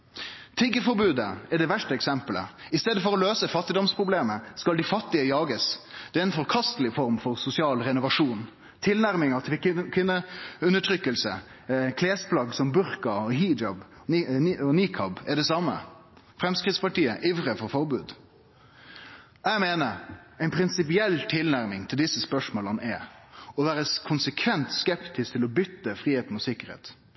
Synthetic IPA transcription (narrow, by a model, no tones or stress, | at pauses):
t̪ʰɪɡːəfɔɾbʉːd̪əɛɖɛʋæʂʈəɛksɛmpələ̰ɪst̪eːd̪əfɔɾɔløːsəfɑt̪ːɪd̪ɔmspʰɾʊbleːməskɑld̪ɪfɑt̪ːɪəjɑːɡəsd̪̥ɛɾɪnfɔɾkʰɑst̪əlɪfɔɾmfɔɾsʊsɪɑːlɾɛnʊʋɑʂuːn | t̪ʰɪlnæɾmɪŋɑt̪ʰɪkʰɪnːəʉnəʈʰɾʏkːəlsəkʰleːspʰlɑɡsɔmbʉɾkɑɔɦiːd͡ʒɑb | ɔniːkʰɑbɛɖɛsɑmə̰fɾɛmskɾɪt̪spɑʈiːəʔiʋɾəfɔɾfɔɾbʉːd̪ | jæmeːnəɾæɪnpʰɾɪnsɪpɪɛlːt̪ʰɪlnæɾmɪŋt̪ʰɪld̪ɪsːəspœʂmoːlənɛɔʋæːɾəskʰʊnsəkʰʋɛnt̪skɛpt̪ɪskt̪ʰɪlɔbʏt̪ːəfɾiːheːt̪n̩ɔsɪkːəɾhḛːt̪